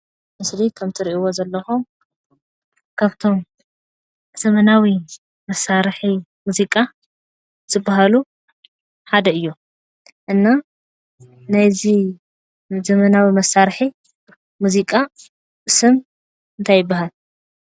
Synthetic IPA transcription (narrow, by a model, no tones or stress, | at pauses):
mɨslikʰɐmt̪ʰɨɾiʔiwozɐlːɐxum | kʰaβt̪ʰo̞m | z̥ɐmɐnawi | mɐsːaɾħimuzikʼa | zɨbːaɦalu | ħad̪ɐɨjːu | ʔɨnːa | najzi | zɐmɐnawimɐsːaɾħi | muzikʼa | ʔɨsɨm | ɨnt̪ʰajːɪbːaɦal